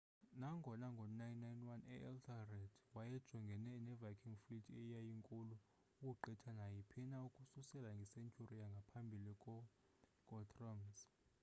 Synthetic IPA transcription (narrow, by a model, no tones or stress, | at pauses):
naŋɡʱɔnaŋɡʱɔnajnːajnwanɛ̰ʔɛltʰarɛdwajɛd̥ʒ̥ʱɔŋɡʱɛnɛnɛvakʰiŋflitʰɛjajiŋkʼulu | ukuǃɛtʰanajipʰinaukʼususɛlaŋɡʱisent͡ʃʰurijaŋɡʱapʰambʱilikʼɔ | kʼɔtʰʼrɔmz